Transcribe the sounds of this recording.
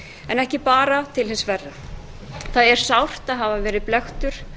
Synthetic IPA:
ɛnɛhcɪpaːɾat̪ʰɪlhɪnsvɛrːa | θaðɛɾ̥sawr̥t̪aðɦaːvavɛːɾɪðplɛxt̪ʏɾ̥

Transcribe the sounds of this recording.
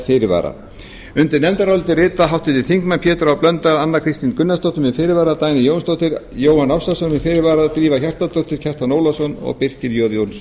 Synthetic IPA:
fɪːɾɪva̰ːɾa̰ | ʏnt̪ɪɾnɛmt̪aɾaɔlt̪ɪrɪːt̪aɦawht̪ɪt̪ɪ̥θiŋkmanpʰjɛːt̪ʏɾawplœnt̪aðanːakʰɾɪst̪inkʏnːast̪owht̪ʏmvɪfɪːɾɪɾvaːɾat̪aːjnɪjownst̪owt̪ɪɾjoːwhanawsasɔnvɪfɪːɾɪɾvaːɾat̪ɾiːvaçar̥t̪ast̪owt̪ɪɾ̥cʰɛr̥t̪anoːwlasɔnɔ̰ɣpɪr̥cɪɾjoːðjowns

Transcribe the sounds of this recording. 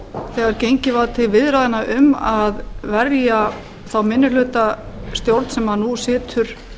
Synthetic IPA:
θɛːɣaɾcejɲcɪvaðt̪ʰɪlvɪðɾaːðɪnaʔʏmaðvɛrja | θawmɪnːʏlʏːt̪ast̪jowɾt̪sɛmhanusɪːt̪ʰʏɾ̥

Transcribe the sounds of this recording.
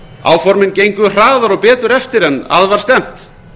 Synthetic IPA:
a̰ːwfɔɾmɪncejŋkʏr̥aːðaɾɔpɛːt̪ʏɾɛft̪ɪɾɛnːa̰ðvaɾ̥st̪ɛm̥t̪

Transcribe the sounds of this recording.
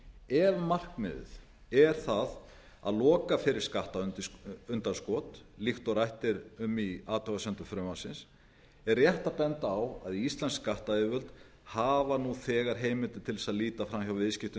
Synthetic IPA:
ɛvmar̥kmɪ̰ðʏ̰ð | ɛɾ̥θað | a̰ðlɔːkafɪɾɪɾ̥skaht̪aʏnt̪ʏnt̪anskɔːt̪lixt̪ɔɾajht̪ɪɾʏmiaːt̪ʰɔɣasœnt̪ʏɾfɾœmasɪns | ɛrːjɛht̪apɛnt̪aːwa̰ðiist̪lɛnskaht̪aɪvʏlt̪ | haːvanuθɛːɣaɾ̥ɦeːjmɪnt̪ɪt̪ʰɪlðɛsaðliːt̪afɾamçjawvɪðscɪft̪ʏ

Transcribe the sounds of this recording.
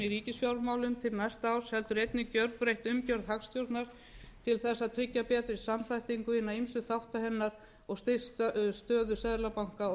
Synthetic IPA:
iɾiːcɪsfjawɾmaːwlʏmt̪ʰɪlnajst̪aaːwshɛlt̪ʏɾɛjt̪nɪcœɾpɾejht̪ʏmcœɾðhakst̪ʰjowɾt̪naɾ̥ | t̪ʰɪlθɛsːat̪ʰɾɪcːapɛːt̪ɪsamθajht̪iŋkʏhɪnːaimsʏθawht̪ahɛnːaɾ̥ | ɔɣst̪esst̪œːðʏsɛðɾlapawŋ̥ka

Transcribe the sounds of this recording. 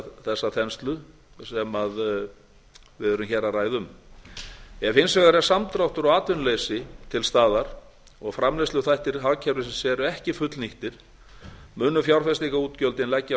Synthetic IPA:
θɛsːaθɛnst̪lʏ | sɛmað | vɪðœɾʏmçɛraraːjðʏm | jɛfɪnsvɛɣaɾɛsamt̪ɾawht̪ʏɾɔɣaːt̪vʏnleːjsɪt̪ʰɪlst̪aːðaɾ̥ | ɔɣfɾamlejsʏθajht̪ɪɾɦacʰɛɾɪsɛmsɛːɾʏɛhcɪfʏt̪lniht̪ɪɾ̥ | mʏːnːʏfjawɾ̥fɛst̪ikauːt̪cœlt̪ɪnlɛcːa

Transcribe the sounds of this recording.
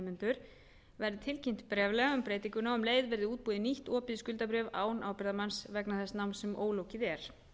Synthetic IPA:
mɪnt̪ʏɾ̥ | vɛɾðɪt̪ʰɪlcim̥t̪ɪ̥pɾɛːvlɛɣaʏmpɾeːjt̪iŋkʏnaʏmleːjðvɛɾðɪuːt̪̚puːðɪniht̪ɔːpɪðskʏlt̪apɾɛːva̰ːwnʔaːwpɪɾðamansvɛknaθɛsnawnsɛmo̰ːwlowcɪðɛɾ̥

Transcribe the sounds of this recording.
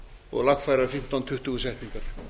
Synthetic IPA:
ɔ̰ɣlakfajɾafɪm̥t̪ɔnt̪ʰʏht̪ʏusɛht̪niŋkaɾ̥

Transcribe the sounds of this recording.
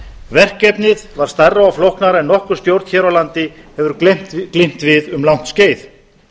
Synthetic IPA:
vɛr̥kːɛpnɪðvaɾ̥st̪arːaawflowhknaɾɛnːɔhkʏɾ̥st̪jowɾt̪çɛɾawlant̪ɪhɛvʏɾm̥t̪klejm̥t̪vɪðʏmlawn̥t̪sceːjθ

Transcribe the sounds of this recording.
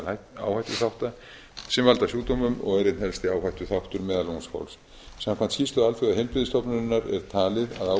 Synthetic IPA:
laa̰ːwhajt̪ʏθawht̪a | sɛmvalt̪asjuːt̪omʏmɔ̰ɣɛɾɪt̪nhɛlst̪ɪaːwhajt̪ʏθawht̪ʏɾmɛːðalowŋskʰa̰wls | samkʰvant̪sçiːst̪ʏalfʏɣaɛlpɾɪðɪst̪ɔpnʏɾɪnːaɾɛɾ̥t̪ʰaːlɪðaða

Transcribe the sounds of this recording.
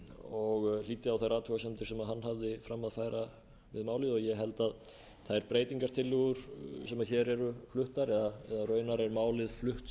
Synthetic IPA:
ɔɣliːt̪ɪawθajraːt̪vuasɛmt̪ɪ̥sɛmaðɦanːɦavðɪfɾamːaðfaːjɾa | vɪ̰ðmaːwlɪðɔɣjɛɦɛlt̪að | θajɾpɾeːjt̪iŋkaɾ̥t̪ʰɪlːʏɣʏɾ̥sɛmaðçɛɾɛɾʏflʏht̪aɾɛðaɛðarœːɥnaɾɛɾmaːwlɪðflʏht̪

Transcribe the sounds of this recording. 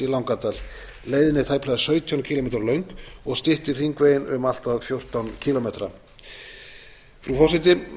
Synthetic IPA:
ilawŋkat̪al | leːjðɪnɪt̪ʰaːjplajɣðasœɥt̪ʰjɔncʰiːlɔmejt̪ɾalœɥŋkɔɣst̪ɪht̪ɪ̥riŋkveːjɪnʏmal̥t̪aðfjowr̥t̪awncʰilɔmet̪ɾa | fɾufɔsɪt̪̬ɪ

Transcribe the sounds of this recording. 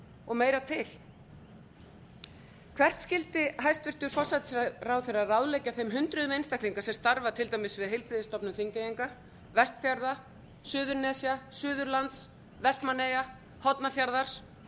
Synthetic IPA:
ɔɣmeːjɾat̪ʰɪl | kʰvɛr̥t̪scɪlt̪ɪɦajst̪vɪr̥t̪ʏɾ̥fɔ̥sːat̪ɪ̥srawθejrarawðlejcːaθejmɦʏnt̪ɾʏðʏmejnst̪akliŋkasɛmst̪aɾvat̪ʰɪlt̪ajmɪsvɪðɦejlpɾɪðɪst̪ɔpnʏθiŋcajiŋka | vɛst̪fjaɾða | sʏːðʏɾnɛsjasʏːðʏɾlant̪s | vɛst̪manːeja | hɔt̪nafjaɾðaɾ̥

